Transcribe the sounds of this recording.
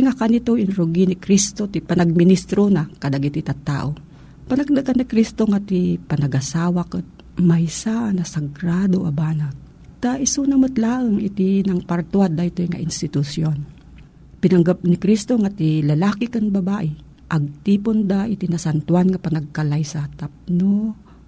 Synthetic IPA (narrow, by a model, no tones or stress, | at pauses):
ŋakanit̪oʔɪnɾoɡinɪkɾist̪ot̪ipɐnɐɡ̚mɪnist̪ɾonakɐd̪aɡit̪it̪at̪ːa̰ːʔo | panaɡnɨkanikɾist̪oŋat̪ipɐnɐɡʔasaːwakɨt̪̚ | majsaʔnɐsɐɡɾad̪oʔabaːna | t̪aʔɪsunɐmɨt̪laːʔəŋɪt̪inɐŋpɐɾt̪wad̪aɪt̪ojŋa̰ʔɪnst̪ɪt̪ʊsjon | pɪnɐŋɡap̚nikɾist̪oŋat̪ilɐlaːkɪkaŋbɐbaːʔɪ | ʔɐɡ̚t̪iːpond̪aʔɪt̪inɐsant̪ʊanŋɐpɐnɐɡ̚kɐlajsat̪ap̚no